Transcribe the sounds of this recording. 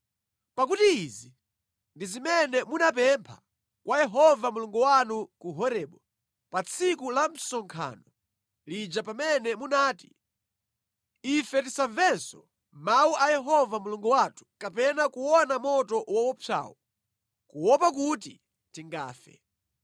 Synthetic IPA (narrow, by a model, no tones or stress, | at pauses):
pakutiːzi | ndizimɛnɛmunap̬ɛmpʰḁ | kwʔajɛɦɔvamuluŋɡuwanukuɦɔɾɛɓɔ | pat͡sʰikulam̩sɔŋkʰa̰ːnɔ | lid͡ʒapamɛnɛmunaːti | ifɛtisaɱvɛnsɔ | mawuʔajɛɦɔvamuluŋɡuwatʰu̥kapɛnakuwɔnamɔtɔwawɔpʰa̰ːwɔ | kuwɔpak̬uti | tiŋɡa̰ːfɛ̰